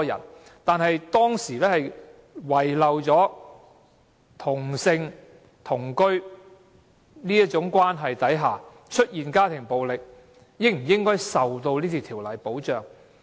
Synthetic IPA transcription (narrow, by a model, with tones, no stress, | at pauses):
jɐ̰˨˩nt̪aː˨˧nɦɐ˨jt̪ɔː˥ŋsiː˨˩lɛː˥hɐ˨j | wɐ˨jlɐ˨wt͡sɔː˨˥ | t̪ʰʊ˨˩ŋsɪ˧ŋ | t̪ʰʊ˨˩ŋkɵ˥ɥ | niː˥jɐ˥t͡ʃʊ˨˥ŋkʷwaː˥nɦɐ˨jt̪ɐ˨˥jɦaː˨˩ | t͡ʃʰɵ˥t̚jiː˨nkaː˥t̪ʰɪ˨˩ŋpo˨wlɪ˨k̚ | jɪ˥k̚m̩˨˩jɪ˥ŋkɔː˥jsɐ˨wt̪o˧wliː˥t̪ʰiː˨˧t̪ʰiː˨˩wlɐ˨˩jpo˨˥wt͡ʃœː˨ŋ